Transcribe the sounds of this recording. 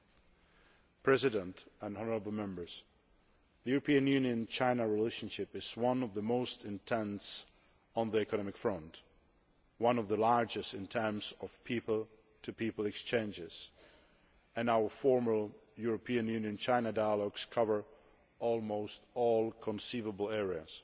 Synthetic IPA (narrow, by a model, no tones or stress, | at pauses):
pʰɹ̥ɛzɨɾə̃ntə̃nɔnə˞əbl̩ˠmɛ̃mbə˞z̥ | ðɨjʉɹəpʰĩɨ̃njʉ̃njɨ̃nt͡ʃʰãɪ̃nəɹileɪʃnʃɪpɨz̥wʌ̃nʌvðəmoʊstɨ̃ntʰɛ̃ns | n̩ðiɛkənɑmɪkfɹʌ̃nt | wʌ̃nʌvðəlɑɹd͡ʒɨstɨ̃ntʰɛ̃˞mz̥ʌv̥pʰipl̩ˠ | tʰɨpʰipl̩ˠɨkst͡ʃʰẽɪ̃nd͡ʒɪz̥ | ɨ̃naʊə˞fɔɹmə˞juɹɨpʰiɨ̃njʉnjɨ̃nt͡ʃʰãɪ̃nədaɪəlɔɡskʰʌvə˞ | ɔlˠmoʊstɔlˠkʰə̃nsivəbl̩ˠɛɹiɨ̰z̥